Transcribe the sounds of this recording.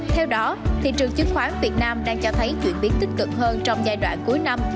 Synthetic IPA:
t̪ʰɛ˧wɗɔ˨˦t̪ʰi˨˩t͡ɕɨ˨˩əŋt͡ɕɨ˨˦˥ŋ̚xwaː˨˦nvi˨˩ət̚naː˧mɗaː˧ŋt͡ɕɔ˧t̪ʰə˨˦jt͡ɕwḭ˧˨ənɓi˨˦ənt̪ï˦˥k̚kɨ̰˨˩k̚həː˧nt͡ɕɔ˧wŋ͡mzaː˧jɗwa̰ː˧˨nku˨˦əjna˧m

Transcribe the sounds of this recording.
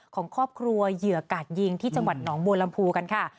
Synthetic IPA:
kʰɔː˩˦ŋkʰɾɔː˥˩p̚kʰɾu˧ɐjɯ˨˩ɐkaː˨˩t̪̚ji˧ŋt̪ʰiː˥˩t͡ɕa˧ŋwa˨˩t̪̚nɔː˩˦ŋboː˧la˧mpʰuː˧ka˧nkʰa˥˩

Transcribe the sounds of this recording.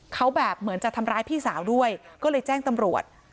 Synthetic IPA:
kʰa˦˥wbɛː˨˩p̚mɯ˩˦ənt͡ɕa˨˩t̪ʰa˧mɾaː˦˥jpʰiː˥˩saː˩˦wdu˥˩əjkɔː˥˩lɤː˧jt͡ɕɛː˥˩ŋt̪a˧mɾu˨˩ət̪̚

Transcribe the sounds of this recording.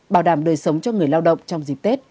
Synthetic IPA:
ɓaː˧˩wɗaː˧˩mɗəː˨˩jsə˨˦wŋ͡mt͡ɕɔ˧ŋɨ˨˩əjlaː˧wɗə̰˧˨wŋ͡mt͡ɕɔ˧wŋ͡mzi˨˩p̚t̪e˦˥t̚

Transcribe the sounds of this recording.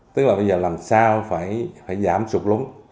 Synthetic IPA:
t̪ɨ˦˥k̚laː˨˩ɓə˧jzəː˨˩laː˨˩msaː˧wfaː˧˩jfaː˧˩jzaː˧˩msʊ˨˩k͡p̚lu˨˦əŋ

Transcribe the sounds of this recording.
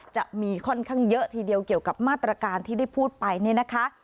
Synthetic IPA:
t͡ɕa˨˩ʔmiː˧kʰɔ˥˩nkʰaː˥˩ŋjɤ˦˥ʔt̪ʰiː˧di˧əwki˨˩əwka˨˩p̚maː˥˩t̪ːɾa˧kaː˧nt̪ʰiː˥˩da˥˩jpʰuː˥˩t̪̚pa˧jni˥˩əna˦˥kʰa˦˥ʔ

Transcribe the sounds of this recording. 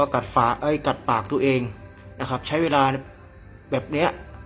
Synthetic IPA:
ɔ˧˩ka˨˩t̪̚faː˩˦ʔaː˧˥˩jka˨˩t̪̚paː˨˩k̚t̪u˧ɐʔeː˧ŋ | na˦˥kʰɾa˦˥p̚t͡ɕʰa˦˥jweː˧laː˧n | bɛː˨˩p̚ni˦˥ɐ

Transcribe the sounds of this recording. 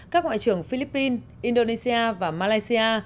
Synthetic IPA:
kaː˦˥k̚ŋa̰˧˨t͡ɕɨ˨˩əŋfi˧li˦˥pːi˧n | ʔi˧nɗo˧ne˧si˧aː˧vaː˨˩maː˧laː˧jsi˧ʔaː˧

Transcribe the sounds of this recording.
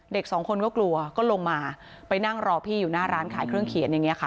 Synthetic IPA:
de˨˩k̚sɔː˩˦ŋkʰo˧nkɔː˥˩klu˧ɐkɔː˥˩lo˧ŋmaː˧ | pa˧jna˥˩ŋɾɔː˧pʰiː˥˩juː˨˩naː˥˩ɾaː˦˥nkʰaː˩˦jkʰɾɯ˥˩əŋkʰi˨˩˦ənja˨ŋːi˦˥ɐ˩kʰa˥˩

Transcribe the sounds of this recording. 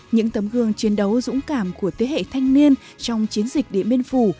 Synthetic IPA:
ɲɨ̰˧˥ŋt̪ə˨˦mɣɨ˨˩əŋt͡ɕi˨˦ənɗə˨˦wzʊ̰˧˥ŋ͡mkaː˧˩mku˧˩ət̪ʰe˨˦hḛ˧˨t̪ʰa˧jŋ̟ni˧ən | t͡ɕɔ˧wŋ͡mt͡ɕi˨˦ənzï˨˩k̟̚ɗḭ˧˨mi˧ənfu˧˩

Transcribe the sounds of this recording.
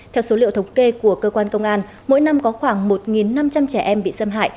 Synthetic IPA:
t̪ʰɛ˧wso˨˦lḭ˧˨wt̪ʰwŋ͡mke˧ku˧˩əkəː˧kwaː˧nkə˧wŋ͡mʔaː˧n | mo̰˧˥jna˧mkɔ˨˦xwaː˧˩ŋmo˨˩t̚ŋi˨˩nːa˧mt͡ɕa˧mt͡ɕɛ˧˩ʔɛ˧mɓḭ˧˨sə˧mɦa̰ː˧˨j

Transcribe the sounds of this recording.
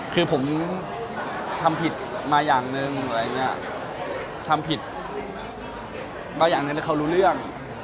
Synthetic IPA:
kʰɯː˧pʰo˩˦m | t̪ʰa˧mpʰi˨˩t̪̚maː˧jaː˨˩ŋnɯ˧ŋa˨˩ɾa˧˨ŋi˦˥ɐ˨˩ | t̪ʰa˧mpʰi˨˩t̪̚ | baː˧jaː˨˩ŋnɯ˧ŋla˧˥˩kʰa˧˩˧ɾuː˦˥lɯ˥˩əŋ

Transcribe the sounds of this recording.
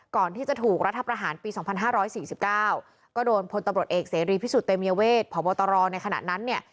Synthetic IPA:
kɔː˨˩nt̪ʰiː˥˩t͡ɕa˨˩t̪ʰuː˨˩k̚ɾa˦˥t̪ʰːa˧pɾa˧ɦaː˩˦npiː˧sɔː˨˩˦ŋpʰa˧nɦaː˥˩ɾɔː˦˥jsiː˨˩si˨˩p̚kaː˥˩w | kɔː˥˩doː˧jnpʰo˧nt̪a˧mɾu˨˩ət̪̚ʔeː˨˩k̚seː˩˦ɾiː˧pʰiː˦˥su˨˩t̪ːe˧mi˧ə˧weː˥˩t̪̚pʰɔː˩˦ɓɔː˧t̪ɔ˧ɾɔː˧na˧jkʰa˧na̰˨˩na˦˥nːi˥˩ɐ

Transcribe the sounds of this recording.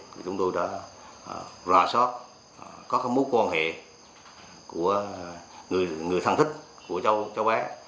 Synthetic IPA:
t̪ʰi˨˩t͡ɕʊ˨˦ŋ͡mt̪o˧jɗa̰ː˧˥˧ | zaː˧˩sɔ˦˥t̚ | kɔ˨˦kaː˦˥mo˨˦kwaː˧nhḛ˧˨ | ku˧˩ə | ŋɨ˨˩əjŋɨ˨˩əjt̪ʰa˧ŋt̪ʰi˦˥k̚ | ku˧˩ət͡ɕə˧wt͡ɕə˦wʔaː˨˦

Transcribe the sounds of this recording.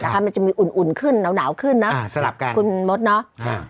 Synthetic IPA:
naː˨˧˩ka˦˥ma˧nt͡ɕa˨˩miː˧ʔu˨˩nʔu˨˩nkʰɯ˧˥˩nna˨˩˦wnaː˩˦wkʰɯ˧˥˩nːɔ˨˦˥a˧˦la˨˩p̚ka˧ku˧˩mo˦˥t̪̚nɔ˦˥a˧˩

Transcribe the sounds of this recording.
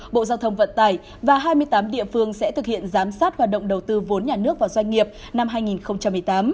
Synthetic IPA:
ɓo̰˧˨zaː˧wt̪ʰə˧wŋ͡mvə̰˧˨nt̪aː˨˩j | vaː˨˩ɦaː˧jmɨ˧əjt̪aː˨˦mɗḭ˧˨əfɨ˧əŋsɛ̰˧˥t̪ʰɨ˨˩k̚hḭ˧˨ənzaː˨˦msaː˦˥t̚haː˨˩t̚ɗə̰˧˨ŋ͡mɗə˨˩wt̪ɨ˧vo˨˦nɲaː˨˩nɨ˦˥ək̚vaː˨˩wzwa˧ŋ̟ŋi˨˩əp̚ | na˧mɦaː˧jŋi˨˩nxə˧wŋ͡mt͡ɕa˧mːɨ˨˩əjt̪aː˨˦m

